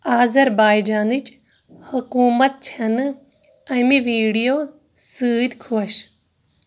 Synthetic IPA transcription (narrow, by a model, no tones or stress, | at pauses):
aːzɐɾbaːid͡ʒaːnɨt͡ʃ | hukuːmɐt̪̚t͡ʃʰɐn | ɐ̃jmiʋiːɽijoː | sɨːd̪kʰuɐɕ